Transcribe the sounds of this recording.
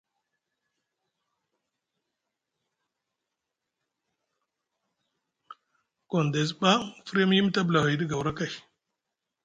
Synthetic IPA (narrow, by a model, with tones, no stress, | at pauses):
ko˨nde˨zba˦fɾe˦m˦ji˦m˦ta˦bla˨wi˨di˦ɡa˨wɾa˦ka˦˨j